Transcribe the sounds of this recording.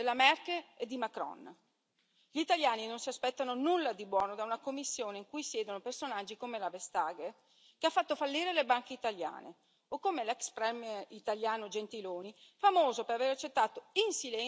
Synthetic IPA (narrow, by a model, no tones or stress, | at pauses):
elːamɛrkeled̪imakɾɔ̰n | ʎit̪aljaːninonsiaspɛt̪ːanonulːad̪ibwɔːnod̪aunakomːisːjoːneiŋkujsjɛːd̪onopersonad͡ʒːikomelavest̪aːɡe | keafːat̪ːofalːiːɾelebaŋk̟eit̪alja̰ːnḛ | okːomelɛkspɾɛmɛrit̪aljaːnod͡ʒent̪iloːnifamoːzopeɾaveɾat͡ʃːet̪ːaːt̪oinsilɛ